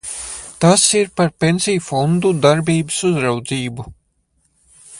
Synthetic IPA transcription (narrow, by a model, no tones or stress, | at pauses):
t̪asiɾpaɾpʲensijufɔnd̪ud̪aɾbiːbəsuzɾawd̪ziːbu